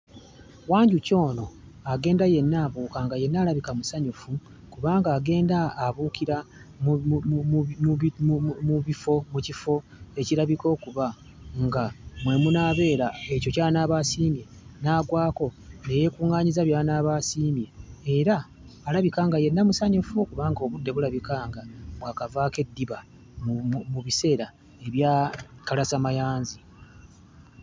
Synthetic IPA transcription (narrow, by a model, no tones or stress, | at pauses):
waːɲɟuco̞ːno̞ | aɡe̞ːndaje̞nːaːβuːkaŋɡaje̞nːaːɾaβikamusaɲufu | kuβaːŋɡaːɡe̞ːndaːβukiɾa | m | ummuβifo̞mucifo̞ | e̞ciɾaβiko̞ːkuβa | ŋɡamwe̞munaːβe̞ːɾae̞co̞caːnaːβasiːmje̞ | naːɡwaːko̞ne̞je̞kuːŋaːɲizaβjaːnaːβasiːmje̞ːɾaː | laβikaːŋɡaje̞nːamusaɲifokuβaːŋɡoːβudːe̞βulaβikaːŋɡaβwaːkavaːke̞dːiβa | muβise̞ːɾa | e̞βjaːkalasamajaːnzi